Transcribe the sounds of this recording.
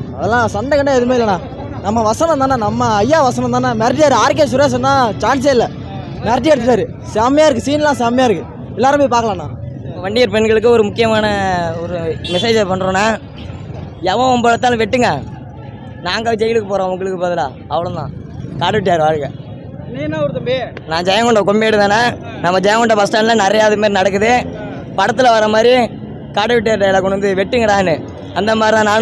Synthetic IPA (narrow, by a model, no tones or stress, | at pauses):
ɐðɐlːãːsɐɳɖɐkɐɳːãːɛðɯmeːɪlːɐnãː | nɐmːɐʋɐsɐnɐ̃nt̪aːnaːnɐmːɐɐjːaːʋɐsɐnɐ̃t̪aːnːaːmɛɾɪʈ̬ːɪjaːɾɯaːɾk̬ːeːs̬ʊɾeːs̬ɐnd̪ãːt͡ʃaːns̬ɐɪlːɛ | mɛɾɪʈ̬ːɪɛɾɯt̪ːɯʈːaːɾɯ | samɐjaːɪɾɯkːɯsiːnɛlːãːsaːmɛjaːɪɾɯkːɯ | ɛlːaːɾɯmeːpaːɾkɐɭãːnːãːɐɐʋɐɳɖɪjɐɾpɛnɡɐɭɯk̬ːɯɔɾɯmʊkːɪjɐmaːnɐɔɾɯmɛseːd͡ʒpɐɳːɯɾõːnaː | ɛʋɐ̃ɔmbɐɭɐt̪ːaːl̃ʋɛʈːɯŋɡɐ | naːŋɡɐd͡ʒɛjɪlɯkːɯpoːɾãːɐʋʊŋɡɐɭɯkːɯpoːðɪlaː | ɐʋɐɭʊ̃d̪ã̰ː | kaːɽɯʋɪʈːjaːɾɯʋaːɻɯɣɐ | ninːaːɔɾɯt̪ɐmbe | nãːd͡ʒɐjɐ̃ŋɡɔɳɖɐkɔmbeːɽɯðanːaː | nɐmːɐd͡ʒɐjɐ̃ŋɡɔɳɖɐpɐsʈaːnlɐ̃nɛɾɐjaːðɯmaːɾinɐɽɐk̬ːɯðɯ | pɐɽɐt̪ːɯlɐʋɐɾːɐmaːd̪ɾi | kaːɽɯʋɪʈ̬ːjaːɾɯʈɐjlaːkɔɳɯnd̪ɯʋɛʈːɯŋɡɐɾãːɛnːɯ | ɐnd̪ɐmaːd̪ɾit̪ãnaːn